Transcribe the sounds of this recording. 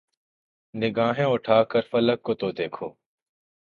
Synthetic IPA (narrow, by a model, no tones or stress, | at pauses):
nɪɡaːɦẽːʊʈʰaːkəɾfələkːoːt̪oːd̪eːkʰoː